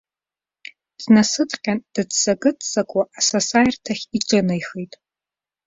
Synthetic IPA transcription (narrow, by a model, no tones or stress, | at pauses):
d̥nasɨtʼqʲʼand̥ɨdsaɡʼɨtʼʰsakʷʼaːsasajrtʰaχʲiʈ͡ʂʼanajχejtʼ